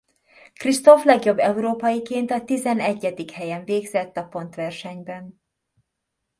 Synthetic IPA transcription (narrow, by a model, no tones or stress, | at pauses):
krist̪o̞flɛɡjo̞bːɛuɾoːpɒjikeːnt̪ɒt̪izɛnɛɟːɛd̪ikhɛjɛɱveːɡzɛt̪ːɒpo̞nt̪ʋɛrʃɛɲbɛn